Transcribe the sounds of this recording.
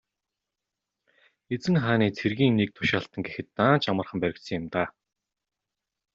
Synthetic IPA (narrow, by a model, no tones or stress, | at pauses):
et͡sɘ̆ŋχaːniːt͡sʰerɣʲiːŋnek̚t̪ʰʊ̥ʃaːɬt̪ə̆ŋɡexɘ̆t̪ːaːnt͡ɕamə̆rχə̆mpæɾʲɪ̆k̪sɘ̆ŋjʊ̆mt̪aː